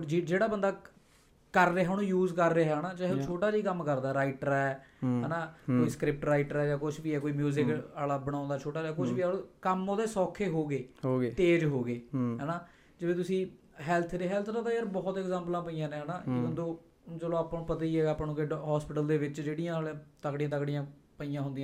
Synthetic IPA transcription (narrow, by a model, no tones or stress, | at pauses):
d͡ʒd͡ʒeːɽaːbənd̪aː | kəɾːeːɦaːñũːjuːzkəɾːeːɦaːnaːd͡ʒɛɦt͡ʃʰoːʈaːd͡ʒiːkəmkəɾd̪aɛːɾaːɪʈəɾɛːɦɛːnaːkoːiːskɾɪp̚ʈɾaːiʈəɾɛːd͡ʒãːkʊt͡ʃʰbiːɛːkoːiːmjuːzɪkaːlaːbəɽ̃ãːnd̪aːt͡ʃʰoːʈaːd͡ʒaːkʊt͡ʃʰʋiːaõːkəmoːd̪eːsɔːkʰːeːɦoːɡeːoet̪eːd͡ʒɦoːɡeːɦɛːnaː | d͡ʒɪʋẽːt̪ʊsĩː | ɦɛːlt̪ʰɾeːɦɛːlt̪ʰnãːt̪ãːəɾbɔːt̪ɛkzãːmplãːpəijãːnẽːɦɛːnaːbənd̪õː | d͡ʒəlõːaːpañːpət̪aːiːɛːɡaːpːnũːkeɦɔːspɪʈəld̪eːʋɪt͡ʃd͡ʒeːɽijãːlt̪əkɽijãːt̪əkɽɪjãː | pəijãːɦʊnd̪ijãː